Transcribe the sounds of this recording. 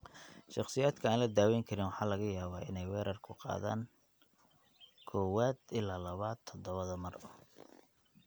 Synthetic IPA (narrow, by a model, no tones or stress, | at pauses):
ʃɑqsɪjaːd̪kʰɐaːnlɐd̪aːwɛjŋkʰɐɾɪnwɑħɑːlɐɣɐjaːβaːʔɪ̰nɛjwɛːɾɐrkʰʊqɑ̰ːða̰ːŋ | kʰɔːwaːd̪ɪlaːlɐβaːd̪̚t̪ʰɔd̪ɔβɐðɐmɐr